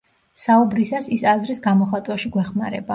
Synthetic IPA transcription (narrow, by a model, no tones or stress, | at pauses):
saubɾisasisazɾisɡamɔχat̪ʼwaʃiɡwɛχmaɾɛ̰ba